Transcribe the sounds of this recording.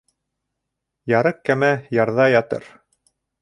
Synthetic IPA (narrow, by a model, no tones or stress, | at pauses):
jɑɾɤq̚kæmæjɑɾðɑjɑt̪ɤ̰ɾ